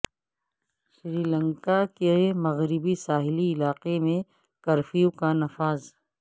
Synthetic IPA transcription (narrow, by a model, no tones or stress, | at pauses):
ʃɾiːlə̃ŋkakemɐɣɾɪbisaːɦɪliɪlaːqemẽ | kɐɾfijukanɐfaːz